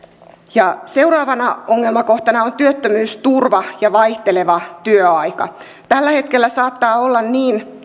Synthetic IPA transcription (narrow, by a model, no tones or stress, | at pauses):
jɑse̞urɑːʋɑnɑoŋːelmɑko̞ht̪ɑnɑont̪yøt̪ːømyːst̪urʋɑjɑʋɑiht̪eleʋɑt̪yøɑikɑ̰ | t̪ælːæhe̞t̪kelːæsɑːt̪ːɑːolːɑnniːn